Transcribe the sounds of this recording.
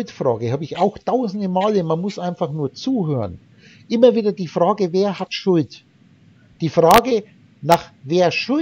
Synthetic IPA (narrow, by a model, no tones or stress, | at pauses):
ltfʁ̥a̰ːɡəhaːbəɪçaʊxtʰaʊzn̩dəmaːləmanmʊsʔaɪnfaχnuːɐt͡suːɦøːʁən | ʔɪmɐviːdɐdiːfʁ̥aːɡəveːɐhatʃʊlt | d̥iːfʁaːɡə | naːχveːɐʃʊ